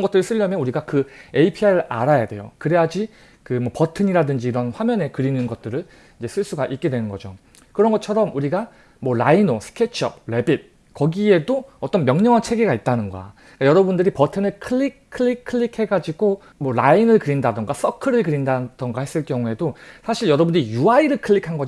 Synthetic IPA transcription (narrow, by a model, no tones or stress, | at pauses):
nɡʌt͈̚ɯɾɯɭs͈ʰɯʎːʌmjʌnuɾiɡakɯeipʰiaɯa̰ɾajadwe̞jo̰kɯɾe̞jad͡ʑi | kɯmwʌpʌtʰɯɲiɾadɯnd͡ʑiːɾʌnɸwamjʌne̞kɯɾinɯnɡʌt̚t͈ɯɾɯɭ | ind͡ʑe̞s͈ʰɯɭs͈uɡaʔit̚k͈e̞dwe̞nɯnɡʌd͡ʑo | kɯɾʌnɡʌt͡ɕʰʌɾʌmuɾiɡa | mwʌɾainosʰɯ̥kʰet͡ɕʰʌ̰p̚ɾe̞bit̚ | kʌɡie̞doʌt͈ʌnmjʌŋɲʌŋant͡ɕʰe̞ɡe̞ɡait̚t͈anɯnɡʌ̰ | k͈ajʌɾʌbundɯɾipʌtʰɯnɯɭkʰɯɭːikʰɯɭːikʰɯɭːikʰhe̞ɡad͡ʑiɡo | mwʌɾainɯɭkɯɾindadɯŋɡas͈ʌkʰɯɾɯɭkɯɾindad̥ɯŋɡahe̞s͈ɯɭk͈jʌŋue̞dosʰaɕʰiɭjʌɾʌbunijuaiɾɯɭkʰɯɭːikʰanɡʌd͡ʑ